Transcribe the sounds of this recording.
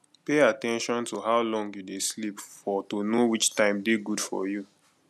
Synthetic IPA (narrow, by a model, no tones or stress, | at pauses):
peatɛ̃nʃɔ̃ntoɦaʊlɔ̃ŋɡjudeslipfɔtonowit͡ʃtãɪ̃mdeɡud̥fɔ̰ju